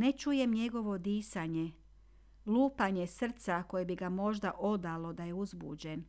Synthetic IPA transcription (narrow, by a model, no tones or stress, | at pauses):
net͡ʃuje̞mɲe̞ɡo̞ʋo̞d̪iːsaɲe | luːpaɲe̞sr̩t̪sako̞je̞biɡamo̞ʒd̪aʔo̞d̪alo̞d̪aje̞uzbṵd͡ʑen